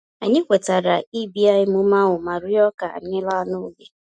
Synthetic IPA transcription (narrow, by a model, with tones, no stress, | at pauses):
a̰˨ɲɪ˦kʷe˨ta˨ɾa˨i˦bi˦a˦ɪ˦mʊ˦ma˦wʊ˨ma˨ɾʊ˦jɔ˦ka̰˨ɲɪ˦la˦nʊ˦ɡe˦